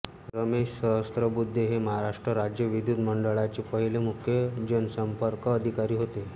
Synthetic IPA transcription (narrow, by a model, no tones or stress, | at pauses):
ɾəmeɕsəɦəst̪ɾəbud̪ʱːeɦeməɦaɾaʂʈɾəɾad͡ʑjəʋid̪ʱjud̪məɳɖəɭat͡ɕepəɦilemukʰjəd͡ʑənsəmpəɾkːd̪ʱikaɾiːɦot̪e